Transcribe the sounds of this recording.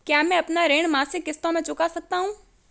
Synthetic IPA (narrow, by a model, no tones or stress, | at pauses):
kjaːmɛ̃ɐpnaɾeːɳ̃maːsɪkːɪst̪õmẽt͡ʃʊkasɐk̚t̪aɦũː